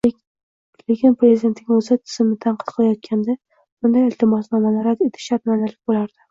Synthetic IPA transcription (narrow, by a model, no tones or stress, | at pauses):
lekʲɪnpɾezid̪e̞nt̪nʲɪɵzɪt̪ʰɪ̥zɪmɪt̪ʰaɴqʰɨt̪qʰɨlajɒt̪̚kʲʰand̪a | bʊnd̪ajɪlt̪ʰɪmɒsnɒmamaɾat̪et̪ʰɪ̥ʃaɾmanalɪk̚ʲbolaɾd̪̥ɪ